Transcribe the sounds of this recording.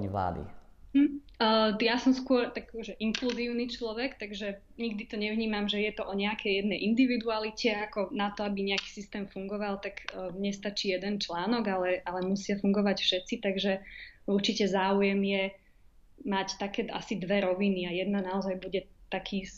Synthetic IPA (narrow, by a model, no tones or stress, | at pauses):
ɲiʋla̰ːd̪ḭ | jasɔmskʊɔɾt̪akɔʒɛʔiŋkluziːʊnit͡ʃlɔʋɛkt̪aɡʒɛ | ɲiɡ̚d̪it̪ɔɲɛʋɲiːmamʒɛjɛt̪ɔʔɔɲɛakʰɛjjɛd̪nɛjʔind̪iʋid̪ualicɛakɔnat̪ɔabiɲɛaki̥ːsist̪ɛːmfuŋɡɔʋalt̪aɡɲɛst̪at͡ʃiːjɛd̪ɛnt͡ʃlaːnɔɡalɛʔalɛmusɪafuŋɡɔʋacfʃɛt̪t͡sit̪aɡʒɛuɾt͡ʃicɛzaːujɛmjɛ | mact̪akɛːa̰sid̪ʋɛɾɔʋiniajɛd̪nanaɔzajbuɟɛt̪akʰiː